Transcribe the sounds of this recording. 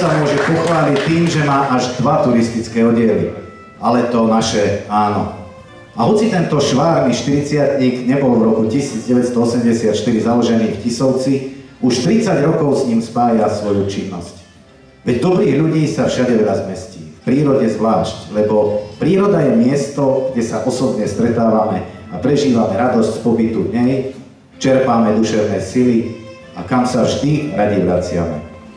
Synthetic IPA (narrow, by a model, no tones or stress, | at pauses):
samʊɔʒɛpɔxʋaːlict̪ːiːmʒɛmaːʔaʒd̪ʋat̪uɾist̪it͡skɛːɔɟɪɛlḭ | alɛt̪ɔnaʃɛaːnɔ̰ | aɦɔt͡sit̪ɛnt̪ɔʃʋaːɾniːʃt̪iɾit͡sɪat̪ɲiːɡɲɛbɔlvɾɔkucisiːd͡zɟɛʋɛtst̪ɔɔsɛmɟɛsɪat̪ʃt̪iɾizalɔʒɛniːxfcisɔʊt͡siuʃt̪ɾit͡saɟɾɔkɔʊsɲiːmspaːjasʋɔjut͡ʃinːɔsc | ʋɛɟd̪ɔbɾiːɣʎuɟiːsafʃaɟɛʋɛlazmɛsciːfpɾiːɾɔɟɛzʋlaːʃclɛbɔpɾiːɾɔd̪ajɛmɪɛst̪ɔɡɟɛsaʔɔsɔbɲɛst̪ɾɛt̪aːʋamɛ | apɾɛʒiːʋamɛɾad̪ɔscspɔbit̪ud̪ɲɛj | t͡ʃɛɾpaːmɛd̪uʃɛʊnɛːsili | akamsavʒd̪iɾaɟɛʋɾat͡sɪamɛ̰